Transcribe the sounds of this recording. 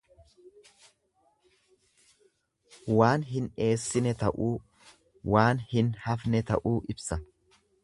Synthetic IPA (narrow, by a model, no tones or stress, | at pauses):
waːnɦɪne̞ːsːɪnɛt̪ɐʔuː | waːnhɪnhɐfnɛt̪ɐʔuːʔɪbsɐ